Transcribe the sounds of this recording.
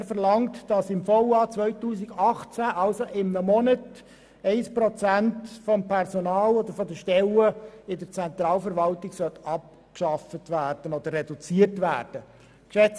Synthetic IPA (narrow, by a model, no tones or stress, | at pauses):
ɾfəɾlɑŋtd̥ɑsɪmfoʊɑt͡sʋœʏtuːsɪɡɑχt͡sæʔɑlsoʔɪmːəmɔnət | ɛɪspɾɔt͡sæntfɔmpʰɛrsɔnɑːlod̪əɾfɔd̪əʃtɛləɪdəɾt͡sɛnt̪ɾɑːlfəɾʋɑltɪɡ̥sœt̪ɑp̚ | kʃɑfətʋæːrd̥ənod̪ərːɛdut͡siərtʋæːrd̥ə | kʃɛt͡s